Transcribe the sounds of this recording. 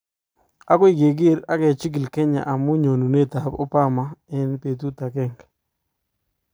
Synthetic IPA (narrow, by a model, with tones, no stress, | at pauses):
a˦kwi˦˨ɡe˨ɡɪ˦ɾa˦kɛ˨t͡ʃi˦ɡi˨lke˦ɲa̰˨ʔa˨mu˦ɲo˨nu˨ne˦˨t̪a˨po̰˦pa˦˨ma˦ɛ˦npe˨t̪u˦t̪a˨kɛ˦˨ŋk